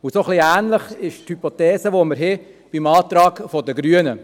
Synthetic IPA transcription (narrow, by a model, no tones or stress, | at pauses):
ʊsoχliæːnləχɪʃthypot̪ɛːsəʋoməɾɦɛ | b̥imɑːt̪ɾɑːɡfodəɡɾyənə